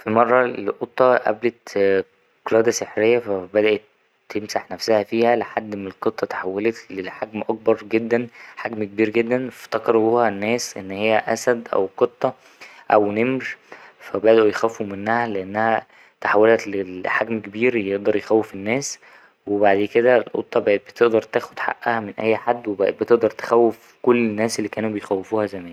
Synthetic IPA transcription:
fimɑrˤːɑelʔot̪ˤːɑʔæ̰blet̪ | qlæːd̪æseħɾejːæfæbæd̪æʔet̪ː | emsaħnæfsæhæfiːhæleħad̪ːmlqot̪ˤːɑt̪ḁħawːelæleħaɡmʔɑk̚bɑɾˤɡed̪ːænħaɡmkebiːɾɡed̪ːænft̪ɑkɑɾˤbuːhænːæːsʔḛnːhejːæʔæ̰sæd̪ʔæ̰wqot̪ˤːɑ | ʔæwnemɾfæbæd̪ʔojxæwefumenːæhæleʔenːæhæ | t̪aħawːelæt̪leħaɡmkebiːɾjeʔd̪ɑɾˤjexæwːefenːæːs | webaʕd̪eked̪æelʔo̰t̪ˤːɑbbet̪eʔd̪ɑɾˤt̪æːxod̪̥ħa̰ʔʔæhæmenʔæ̰jːħad̪ːwebet̪eʔd̪ɑɾˤt̪e̥xæwːef | kolːenːæːselːiːkæːnubejxæwːefuːhæzæmæːn

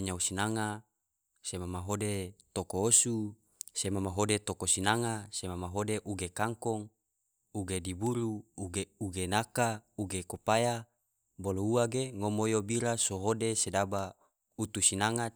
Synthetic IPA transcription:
ɲausinaŋa | semamaɦodet̪okoosu | semamaɦodet̪okosinaŋasemamaɦodeʔuɡekaŋkoŋ | uɡedibuɾuuɡeuɡenakauɡekopaja | bolouaɡeŋomojobiɾasoɦodesedaba | ut̪usinaŋat̪̚

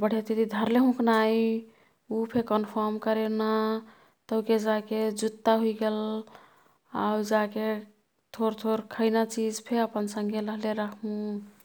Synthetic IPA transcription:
bəɽ̤et̪it̪id̪ʱəɾleɦũknaj | upʰekənpʰəɾmkəɾena | t̪əked͡ʒaked͡ʒut̪ːaɦuiɡel | awd͡ʒake | t̪ʰoɾt̪ʰoɾkʰəɪnat͡ʃid͡ʒpʰeəpənsəŋɡʱeɾəɦleɾəkʰmũ

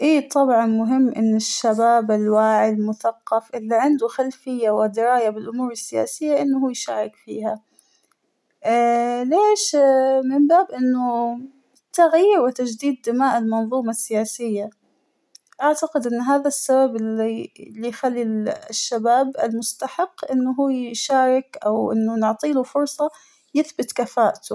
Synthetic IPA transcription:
ʔiːt̪ˤɑbʕɑnmʊɦɪmːʔɪnːɪʃːabaːbɪlwaːʕilmʊθaqːɑfʔɪlːiʕɪnd̪ʊxalfɪjːawɪd̪ɪɾaːjabɪlʔʊmuːɾɪsːɪja̰ːsɪjːaʔɪnːʊhuːjʃaːɾɪkfḭːha | leːʃmɪmbaːbʔɪnːʊ | t̪aɣjiːɾwɪt̪ad͡ʒd̪iːd̪ːɪmaːʔɪlmɑnðˤuːmasːɪjaːsɪjːa | ʔaʕt̪aqɪd̪ʔɪnːɦaːðasːababɪlilːijxalːiʃːabaːbɪlmʊst̪aħɪqːʔɪnːʊɦuːjʃaːɾˤɪkʔawʔɪ̰nːʊnɪʕt̪ˤiːlufʊɾˤsˤɑ | jɪθbɪt̪kafaːʔt̪ʊ

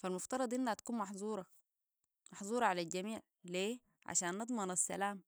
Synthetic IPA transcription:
falmuft̪ɑɾˤɑd̪ˤʔinːhat̪ḁkuːnmɑħzˤuːɾˤɑ | mɑħzˤuːɾˤɑʕalalɟamiːʕ | leː | ʕa̰ʃaːnːɨd̪ˤmɑnasːa̰laːm

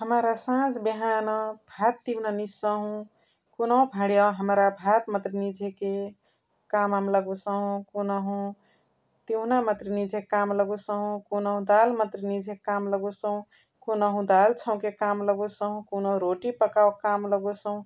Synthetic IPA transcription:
həmɾasãd͡ʒbiɦanəbʱat̪ːibnanisəɦũ | konəɦũbʱãɽjaɦəmɾabʱat̪mət̪ɾinid͡ʒʱeke | kamamləɡusəɦũkonəɦũ | t̪inamət̪ɾinid͡ʒʱekamləɡusəɦũkonəɦũd̪almət̪ɾinid͡ʒʱekamləɡusəɦũ | konəɦũd̪alt͡ʃʰəw̃kekamləɡusəɦũkonəɦũɾoʈipəkawkamləɡusəɦũ

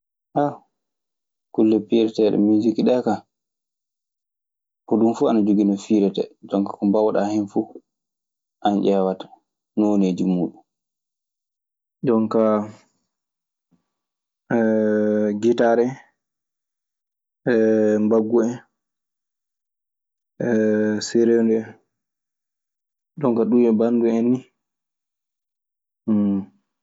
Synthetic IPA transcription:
ʔa | kulːɛpiɾɛtɛɗɛ̰mid͡ʒikiɗɛka | kɔɗumfuanad͡ʒoɡinɔfiɾɛtɛ̰d͡ʒɔŋkḁkɔmbawɗahinfu | ʔanʔɛːwatḁ | noneːd͡ʒimuːɗum | d͡ʒɔŋka | ɡitaɾɛ | ɛmbaɡːuɛ | ɛseɾendɛ | ɗɔŋkaɗumɛbanduenːi

